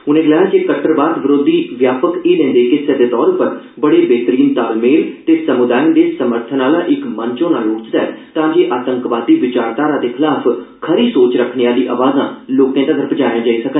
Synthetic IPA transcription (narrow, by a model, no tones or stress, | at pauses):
ʊnẽːɡlaːjd͡ʒeːkəʈəɾbaːd̪ʋɪɾoːd̪iːʋjaːpəkeːlɛ̃ːnd̪eːkɪsed̪eːt̪ɔːɾpəɾ | bəɽeːbeːt̪əɾiːnt̪aːlmeːlt̪eːsəmʊd̪aːjənd̪eːsəməɾt̪ʰənaːlãːʔɪkmənt͡ʃõːnaːloːt͡ʃd̪aɛːt̪ãːd͡ʒeːʔaːt̪ə̃ŋkʋaːd̪iːʋɪt͡ʃaːɾd̪aːɾãːd̪eːkʰɪlaːpʰkʰəɾiːsoːt͡ʃɾəkʰneːaːliːʔa̰ːʋaːzãːloːkãːt̪ãːɡ̪ʱəɾpəd͡ʒaːjãːd͡ʒaːĩːsəkə